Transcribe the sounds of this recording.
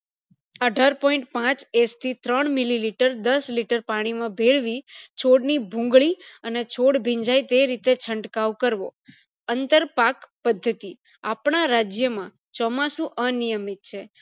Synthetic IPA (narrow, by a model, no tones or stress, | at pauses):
əɖʱaɾpɔĩɳʈ̚pãt͡ʃest̪ʰit̪ɾəɳmililiʈəɾd̪əsliʈəɾpaɽ̃imãbʱeɭʋit͡ʃʰoɽnibʱũŋɡɭiənet͡ʃʰoɽbʱĩɲd͡ʒajt̪eɾit̪et͡ʃʰəɳɖkaʋkəɾʋo | ənt̪əɾpakpəd̪ʱːət̪i | apɳaɾad͡ʒjəmã | t͡ʃɔmasũʔənijəmit̪̚t͡ʃʰe